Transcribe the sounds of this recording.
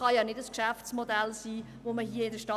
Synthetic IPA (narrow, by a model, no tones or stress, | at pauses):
ɑjɑːnɪdəskʃæft͡smodɛlsiː | ʋoməɦiːəɪdəʃtɑ